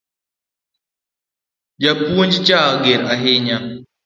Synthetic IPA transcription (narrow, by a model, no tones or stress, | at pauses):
d͡ʒapːuond͡ʒit͡ʃaɡeɾaɦeɲa